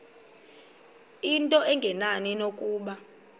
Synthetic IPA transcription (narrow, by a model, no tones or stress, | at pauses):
intʼɔʔɛŋɡʱɛnaninokʼuːɓa